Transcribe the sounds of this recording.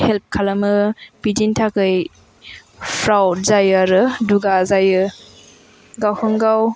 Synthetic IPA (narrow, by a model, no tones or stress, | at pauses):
help̚kʰalamɯb̥idintʰakɯj | pʰɾawzajɯɾɯduɡazajɯ | ɡawhɯŋɡaw